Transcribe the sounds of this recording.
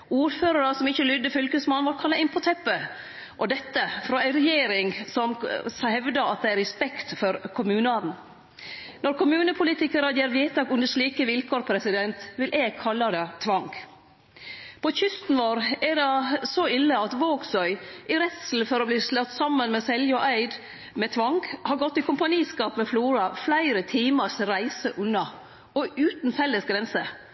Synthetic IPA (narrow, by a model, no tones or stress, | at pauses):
uːɾføːɾɑɾəsɔmɪçːəlʏd̪ːəfʏlkəsmɑnːʋɑːɾkʰɑlːɑʔɪnpʰɔt̪ʰɛpːə | ʔɔd̪ɛt̪ːəfɾɑːæɪɾɛjeːɾɪŋsɔmhɛʋd̪əɑt̪̚d̪ɛæɾɛspɛkt̪fɔɾkʰʊmʉːnəɑːd̪n̩ | nɔɾkʊmʉːnəpʰʊliːt̪ɪkəɾɑd̪jɛɾʋjet̪ɑkʉnd̪əʂɭiːkəʋɪlkʰoːɾpʰɾɛsɪd̪ɛnt̪ʋɪlʔeɡ̚kʰɑlːɑd̪ɛt̪ʰʋɑŋɡ | pʰɔçʏst̪n̩ʋoːɾɛdɑsɔɪlːəɑt̪ʋoːɡsœʏʔɪɾɛt̪sl̩fɔɾɔbliːslɑt̪sɑmːənmɛsɛljɔʔæɪd̪ | mɛt̪ʰʋɑŋɡhɑɾɡɔt̪ːɪkʰʊmpɑniːskɑːpmɛfluːɾɑflæɪɾət̪ʰiːməʂɾæɪsəʔʉnːɑ | ɔʉːt̪n̩fɛlːəsɡɾɛnsə